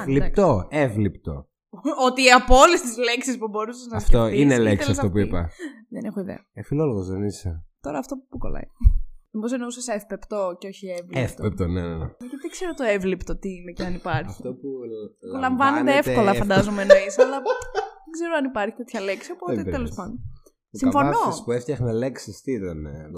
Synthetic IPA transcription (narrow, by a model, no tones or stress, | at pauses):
lipt̪oevlipt̪o̰ | ot̪iɐpoolest̪izleksispubo̞ɾuseznɐsft̪oinelek̪esiɐst̪opuipɐ̰ðenexoiðḛɐefiloloɣozðeniset̪o̞ɾɐːft̪o̞pukolɐ̰ḭomosenousɐsefpept̪oceo̞çievleft̪pep̚t̪onenenḛʝɐt̪iðiɡzse̞ɾot̪oevlipt̪ot̪iineceɐnipɐɾçɐçift̪ouulɐɱvɐned̪eefko̞lɐfɐnd̪ɐzomenoisɐlɐðeɡze̞ɾoɐnipɐɾçi̥t̪e̞t̪çɐleksio̞poeelospɐnd̪on | siɐfo̞nospueft̪ɐxneleksist̪iiðen